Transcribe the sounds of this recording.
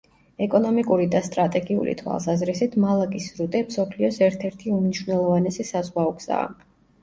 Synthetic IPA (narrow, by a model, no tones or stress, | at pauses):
ɛkʼɔnɔmikʼuɾid̪ast̪ʼɾat̪ʼɛɡiṵlʔḭt̪ʰwa̰lˠsazɾisit̪ʰmalˠakʼisɾut̪ʼɛmsɔpʰliɔsɛɾt̪ʰɛɾt̪ʰiumniʃwnɛlˠɔvanɛsisazʁwaɔkʰz̥a̰ː